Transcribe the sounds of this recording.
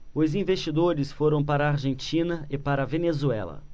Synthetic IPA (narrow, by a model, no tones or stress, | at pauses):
ʊzĩvest͡ʃid̪oɾɪsfoɾɐ̃w̃paɾɐːɾʒẽnt͡ʃĩnɐɪpaɾɐvenezuɛ̰lɐ̰